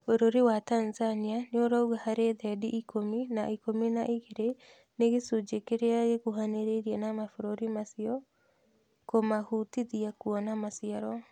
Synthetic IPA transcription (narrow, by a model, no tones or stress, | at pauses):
oɾoɾewatanzanianeoɾauɣahaɾeðɛdiʔikʰominaʔikominaʔiɣeɾe | neɣesud͡ʒekeɾeaɣekuɦaneɾeɾiɛnamafoɾoɾimasiɔ | komahutiðiakuɔnamasiaɾɔ